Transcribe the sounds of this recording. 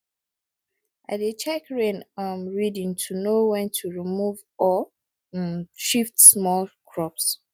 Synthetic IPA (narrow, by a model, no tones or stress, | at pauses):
ʔa̰dit͡ʃɛkɹẽnʌmɹidĩŋtʰunowɛ̃ntʰuɹimuv | ɔ | ʃiftsmɔlkʰɹɔps